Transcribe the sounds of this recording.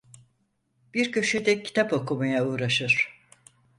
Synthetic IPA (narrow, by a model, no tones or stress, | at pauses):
b̥iɾcʰø̞ʃed̪ɛcʰi̥t̪ʰapo̞kumajauːɾaʃɯɾ̥